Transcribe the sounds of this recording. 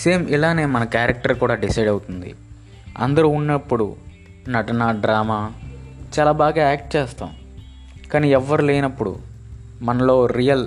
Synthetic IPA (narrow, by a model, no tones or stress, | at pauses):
seːmilaːne̞ːmɐnɐkjaːɾɐk̚ʈɐɾkuːɽaːɖisɐjɖɐwut̪und̪ḭ | ɐ̰nd̪ɐɾuːunːɐpːuɽṵ | nɐʈɐnaːɖɾaːmaːt͡ʃaːlaːbaːɡaːaːk̚ʈ̚t͡ʃɛːst̪a̰ːm | kaːniːɛʋːɐɾuleːjnɐpːuɽṵ | mɐnɐlo̞ːɾijɐl